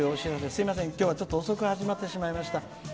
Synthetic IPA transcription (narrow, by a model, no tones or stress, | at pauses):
oɕiɾasesɨimas̬ẽ̞ŋkʲjo̞ːβat͡ɕo̞t̪ːo̞ːso̞kɯ̟haʑimat̪ːe̞ɕimaimaɕi̥t̪a